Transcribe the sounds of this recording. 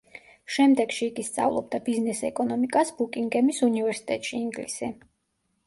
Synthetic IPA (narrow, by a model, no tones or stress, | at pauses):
ʃɛmd̪ɛɡ̥ʃiːɡist̪sʼa̰vlˠɔ̰b̚d̪abiznɛsɛkʼɔnɔmikʼasbukʼiŋɡɛmisunivɛɾsi̥t̪ʼɛt̪ʼʃiːŋɡlisi